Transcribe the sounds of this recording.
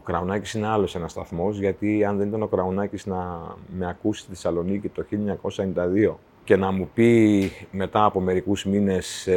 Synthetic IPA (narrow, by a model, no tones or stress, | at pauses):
okɾɐonɐci̥sine̞ɐlo̞se̞nɐst̪ɐθmo̞zʝɐt̪iɐnðe̞nit̪ɐno̞kɾɐonɐciznɐme̞ɐkusi̥t̪iθesɐlo̞nicit̪o̞çiloɐɲɐko̞sɐe̞nind̪ɐðio̞ | ce̞nɐmupime̞t̪ɐːpo̞me̞ɾikuzmine̞s